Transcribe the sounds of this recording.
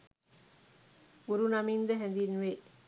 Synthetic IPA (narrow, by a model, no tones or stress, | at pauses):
uɾunɐmind̪ɐɦɛnd̪inʋeʔ